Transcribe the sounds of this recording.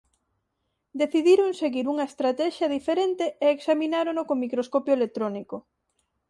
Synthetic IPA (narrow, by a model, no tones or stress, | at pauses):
d̪eθiðiɾoŋseɣiɾuŋɐest̪ɾat̪ɛʃjaðifeɾent̪eeːksaminaɾonokomikɾoskopjoelek̚t̪ɾoniko